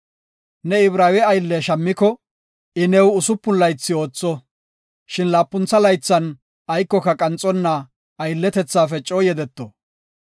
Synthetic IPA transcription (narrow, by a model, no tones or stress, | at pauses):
nɛɪbɾaːwɛɐjlːɛʃɐmːɪkɔ | ɪnɛwʊsʊpːʊnlɐjt͡sːɪo̞ːt͡sːɔ | ʃɪnlaːpːʊnt͡sːɐlɐjt͡sːɐn | ɐjkːɔkɐkʼɐnt͡sʼːɔnːa | ɐjlːɛt̪ɛt͡sːaːfɛt͡ʃʼoːjɛd̪ɛt̪ːɔ